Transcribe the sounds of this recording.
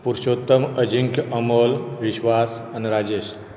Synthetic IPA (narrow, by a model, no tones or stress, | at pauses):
puɾʃoːt̪ːəməd͡ʒiŋkʔɐmolʋiʃʋaːsɐnɾaːd͡ʒeːʃ